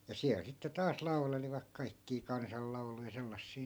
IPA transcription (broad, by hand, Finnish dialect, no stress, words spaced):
jɑ siæl sitːe tɑːs lɑuleliʋɑk kɑikːiː kɑnsɑlːɑu̞lujɑ selːɑsːiː